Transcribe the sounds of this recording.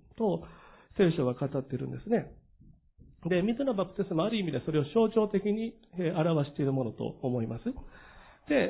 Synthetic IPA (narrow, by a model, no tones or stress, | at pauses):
t̪o̞se̞ːɕo̞βakat̪at̪ːe̞ɾɯ̟̃nd̪e̞sɨne̞ | d̪e̞mʲizɨnabapːɯ̟̥t̪e̞sɨmoaɾɯ̟imʲid̪e̞so̞ɾe̞o̞ɕo̞ːt͡ɕo̞ːt̪e̞kʲiɲ̟i | eaɾaβaɕi̥t̪e̞iɾɯ̟mo̞no̞t̪o̞̰ːmo̞imasɨ | d̪̥e̞